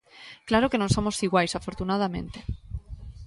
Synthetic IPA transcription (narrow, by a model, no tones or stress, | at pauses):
klaɾokenonso̞mo̞siɣwajsafo̞ɾt̪unað̞amẽ̞̰nt̪e